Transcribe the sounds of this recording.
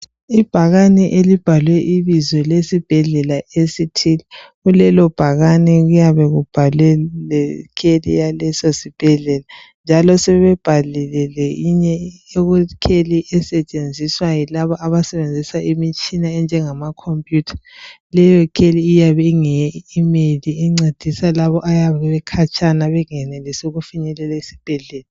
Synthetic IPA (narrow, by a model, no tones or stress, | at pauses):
ib̥ʱaɣanɛʔelib̥ʱalwɛʔiβizɔlesib̥ʱɛɮɛlaʔesitʰilɛɣulɛlɔb̥ʱaɣanɛɣujaβɛɣub̥ʱalɛlɛkʰelḭjalɛsosib̥ʱɛɮɛla | nd͡ʒʱalɔsɛβɛb̥ʱalɛlɛlɛjiɲɛeɣukʰeliʔɛsɛt͡ʃʼend͡zʱiswajilaβɔʔaβasɛβend͡zʱisaimit͡ʃʼinaɛnd͡ʒʱɛŋamakʰompʼjutʰḁ | lɛjɔkʰeliːjaβɛiŋɛimeliːŋ͡ǀed̥ʱisalaβɔʔajaβɛβɛkʰat͡ʃʼʰanaβɛŋɛnelisɛuɣufiɲɛlɛlaisi̥b̥ʱɛɮɛːla